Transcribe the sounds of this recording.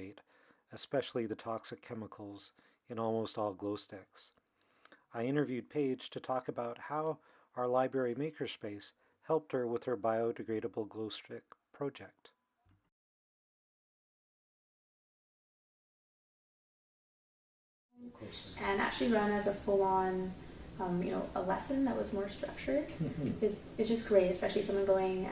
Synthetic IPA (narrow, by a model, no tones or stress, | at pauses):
ɪɾ | ɨspɛʃl̩ˠiðɨtʰɑksɨv̥kʰɛməkʰl̩ˠz | ɨ̃nɔlˠmoʊstɔlˠɡloʊstɛks | aɪɪ̃ɾ̃ə˞vjʉd̚pʰeɪd̥ʒ̥tʰɨtʰɔkɨbaʊt̚haʊ | aə˞laɪbɹɛɹimeɪkʰə˞speɪs | hɛlˠp̚t̚hə˞wəð̥ə˞baɪoʊdɨɡɹeɪɾəbl̩ˠɡloʊstɪk̚pʰɹ̥ɑʊd͡ʒɛk̚t | ɨ̃næ̰k̚t͡ʃʉl̩ˠiɹʌ̃nɨzəfʊlˠɑ̃nʌ̃mjɨ̰noʊʔəlɛsɨ̃nðəʔ̚wʌzmɔɹstɹ̥ʌ̰k̚t͡ʃə˞ɾɪz | ɨzdd͡ʒʌskʰɹ̥eɪɾɨspɛʃl̩ˠisʌ̃mwʌ̃nɡoʊɪ̃ŋ